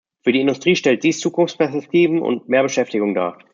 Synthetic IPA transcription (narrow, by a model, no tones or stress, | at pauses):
fyːɐiːɪndʊstʁ̥iːʃtɛlt̚d̥iːst͡suːkʊnft͡spʰɛɐsɛk̚tʰiːvm̩ʔʊ̰ntmeːɐbəʃɛftɪɡʊŋda̰ːɐ